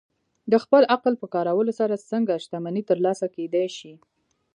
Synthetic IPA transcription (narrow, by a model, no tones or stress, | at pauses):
d̪əxpəlʔaqlpəkɑɾawəlosaɾasəŋɡaʃt̪amanit̪əɾlɑsaked̪ajʃi